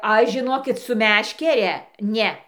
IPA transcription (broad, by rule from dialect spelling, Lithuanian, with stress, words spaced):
ˈɐʃ ʒʲɪˈnoːkʲɪt sʊ ˈmʲæːʃʲkʲɛrʲɛ ˈnʲɛ